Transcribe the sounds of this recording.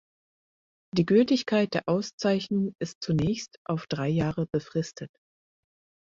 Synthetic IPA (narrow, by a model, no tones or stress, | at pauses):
d̥iːɡʏltɪçkʰaɪt̚d̥eːɐʔaʊst͡saɪçnʊŋɪst̚t͡sunɛːçstʔaʊfd̥ʁaɪjaːʁəb̥əfʁ̥ɪstʰət